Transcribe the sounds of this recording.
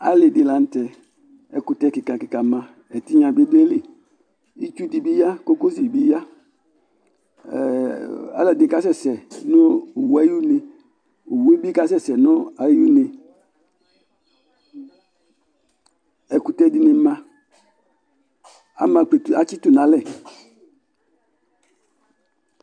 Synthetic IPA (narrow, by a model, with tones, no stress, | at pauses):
a̰˦lɪ˨dɪ˨la˨n̩˦tɛ˨ | ɛ˨kʊ˨tɛ˦kɪ˨ka˨kɪ˨ka˨mã˨ | ɛ˨ti˦ɲã˨be˦de˦li˦ | i˦t͡ʃu˦di˨bi˦ja˦ko˦ko˦si˨bi˦ja˦˨ | a̰˨˦lɛ˨dɪ˨ka˦s̬ɛ˦˨sɛ˨nʊ˦˨wa˦ju˦ne˨ | o˨we˦bi˦ka˦s̬ɛ˦˨sɛ˨nʊ˦a˨ju˦ne˨ | ɛ˨ku˨tɛ˦di˨ne˨mã˨ | a̰˨mã˨k͡pe˨ta˨t͡ʃi˦tu˦˨nã˨˦lɛ˦˨